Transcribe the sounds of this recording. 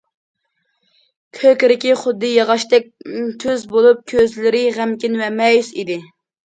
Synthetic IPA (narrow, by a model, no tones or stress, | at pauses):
kʲʰøkʲɾɪkʲiχʊd̪ːɨjɑʁɑʃt̪ɛk̚ʲt̪ʰøzbolˠup̚kʲʰøzlɪɾɪʁæmkʲinwɛmɛjsid̪ɪ